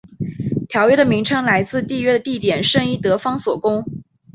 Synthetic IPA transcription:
t̪ʰjɑ˧˥ʊɥɛ˥d̪ə˨mi˧˥ŋʈ͡ʂʰɤ˥ŋla˧˥ɪt͡sɹ̩˥˧t̪i˥˧ɥɛ˥d̪ə˨t̪i˥˩t̪jɛ˨˩nʂɤ˥˧ŋi˥˩t̪ɤ˧˥fɑ˥ŋswɔ˨˩kʊ˥ŋ

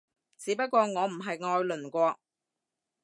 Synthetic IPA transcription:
t͡siː˨˥pɐ˥t̚kʷːɔː˧ŋɔː˨˧m̩˨˩ɦɐ˨jŋɔː˧jlɵ˨˩nkʷɔː˧

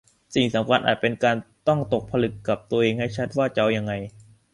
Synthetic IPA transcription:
si˨˩ŋsa˩˦mkʰa˧nʔaː˨˩t̪̚pe˧nkaː˧nt̪ɔ˥˩ŋt̪o˨˩k̚pʰa˧lɯ˨˩kːa˨˩p̚t̪u˧ɐʔeː˧ŋha˥˩jt͡ɕʰa˦˥t̪̚waː˥˩t͡ɕa˦˥wja˧ŋːa˧j

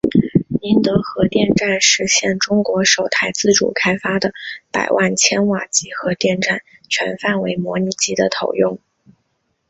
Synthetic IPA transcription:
ni˧˥nt̪ɤ˧˥xɤ˧˥t̪jɛ˥˧nʈ͡ʂa˥˩˧nʂɻ̩˧˥ɕjɛ˥˩nʈ͡ʂʊ˥ŋkwɔ˧˥ʂo˨˩ʊt̪ʰa˥ɪt͡sɹ̩˥˩ʈ͡ʂṵ˨˩kʰa˥ɪfa˥d̪ə˨pa̰˨˩ɪwʔa˥˩nt͡ɕʰjɛ˥nwa˨˩t͡ɕi˧˥xɤ˧˥t̪jɛ˥˧nʈ͡ʂa˥˩nt͡ɕʰɥɛ˧˥nfa˥˩nwe˧˥ɪmwɔ˧˥ni˧˩t͡ɕi˥d̪ə˧t̪ʰo˨˩ʊjʊ˥˩ŋ

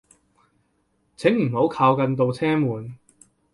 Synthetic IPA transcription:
t͡sʰɪ˨˥ŋm̩˨˩ho˨˥wkʰaː˧wkɐ˧nt̪̬o˧wt͡sʰɛː˥muː˨˩n

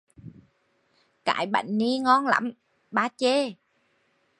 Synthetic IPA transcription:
ka̰ː˧˨˩jɓa̰˧˨jŋ̟ni˧ŋɔ˧nla̰˧˥m | ɓaː˧t͡ɕe˧˦

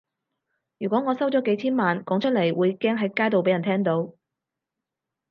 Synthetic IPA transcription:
jyː˨˩kʷɔː˨˥ŋɔː˨˧sɐ˥wt͡sɔː˨˥ke˨˥jt͡sʰiː˥nmaː˨nkɔː˨˥ŋt͡ʃʰɵ˥t̚lɐ˨˩jwuː˨˧jkɛː˥ŋɦɐ˨˥jkaː˥jt̪o˨wpe˨˥jɐ˨˩nt̪ʰɛː˥ŋt̪o˨˥w

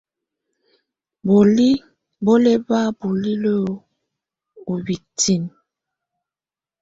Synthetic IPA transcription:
bo˨li˦ | bo˦le˦ba˦bu˨li˦lo˦ | u˨bi˨tʰi˦˨n

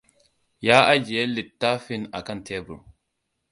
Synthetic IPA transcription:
jaː˦ʔa˦d͡ʒi˨e˦lːi˨tːa˦fi˦na˨kɐ˦ntʰe˦bṵ˨ɾ

